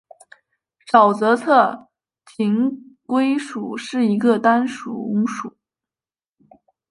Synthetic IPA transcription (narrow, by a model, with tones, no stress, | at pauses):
ʂɑ˨˩ʊt͡sɤ˧˥t͡sʰɤ˥˩ | tʰi˧˥ŋkwe˥ɪʂu˨˩ʂɻ̩˥˩i˧˥ɡə˧t̪a˥nʂṵ˨˩ʊ˧˥ŋʂu˨˩˦